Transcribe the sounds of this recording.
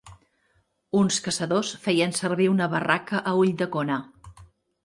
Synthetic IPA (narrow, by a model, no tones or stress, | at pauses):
unskəsəðosfɛjənsərβ̞iunəβərakəʔəuʎd̪əkona